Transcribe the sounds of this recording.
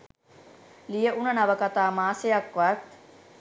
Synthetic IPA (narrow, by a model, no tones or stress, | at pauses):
lijəʔunɐnaʋəkat̪aːmaːsejakʋat̪